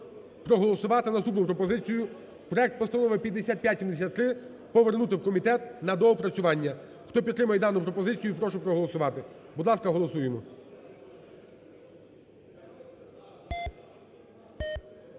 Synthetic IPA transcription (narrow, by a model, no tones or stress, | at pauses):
pɾɔɦɔlˠɔsʊʋɑt̪ɪnɐst̪upnʊpɾɔpɔzɪt͡sʲijʊ | pɾɔɛk̚t̪̚pɔst̪ɐnɔʋɪpʲjɐd̪ːesʲat̪̚pʲjat̪ʲsʲimd̪es̬ʲat̪ːɾɪ | pɔʋernut̪ɪwkɔmʲit̪ɛt̪nɐd̪ɔɔpɾɐt͡sʲʊʋɑnʲːɐ | xt̪ɔpʲit̪ːɾɪmɐjɛd̪ɑnʊpɾɔpɔzɪt͡sʲijʊipɾɔʃɛpɾɔɦɔlˠɔsʊʋɑt̪ɪbud̪lˠɑskɐɦɔlˠɔsujemɔ